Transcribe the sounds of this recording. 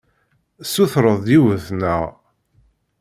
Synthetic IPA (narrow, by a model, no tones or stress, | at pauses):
suθɾəðˤiwəθnəʁ